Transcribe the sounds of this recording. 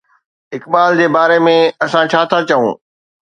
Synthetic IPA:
ɦɪkɓaːld͡ʑeːbaːɾemẽɐsãt͡ɕʰaːt̪ʰat͡ɕɐṵ̃ː

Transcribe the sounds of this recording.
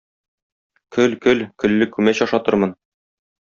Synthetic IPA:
kʰɵlkɵlkɵ̆lːɘkʉmæɕɒʃɑt̪ɤ̆ɾmɤn

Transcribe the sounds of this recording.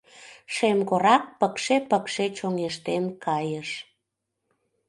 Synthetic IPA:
ʃemɣoɾɑk̚pəkʃepəkʃet͡ɕoŋeʃt̪emkʰɑjəʃ

